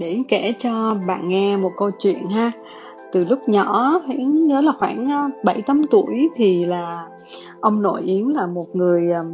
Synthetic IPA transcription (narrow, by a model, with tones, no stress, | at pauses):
ɗe˧˩kɛ˧˩t͡ɕɔ˧ɓa̰ː˧˨nŋɛ˧mo˨˩t̚kə˧wt͡ɕwḭ˧˨ənɦaː˧ | t̪ɨ˨˩lʊ˦˥k͡p̚ɲɔ˧˩hḭ˧˨˥ɲəː˨˦laː˨˩xwaː˧˩nː˧ɓə˧˩jt͡ɕa˨˦mt̪u˧˩əjt̪ʰi˨˩laː˨˩ | ʔə˧wŋ͡mno̰˧˩jʔi˨˦ənlaː˨˩mo˨˩t̚ŋɨ˨˩əj